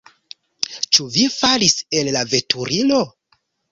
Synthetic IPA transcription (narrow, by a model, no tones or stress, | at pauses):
t͡ʃuvifalise̞llave̞tʰuɾilo̞